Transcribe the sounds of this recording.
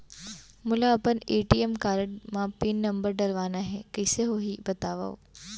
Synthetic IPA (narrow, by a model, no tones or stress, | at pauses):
mʊlaəpəneːʈiemkaːɾəɳmãpiːnːəmbəɾɖəɾʋanaɦekəɪseɦoɦibət̪aʋa̰o̰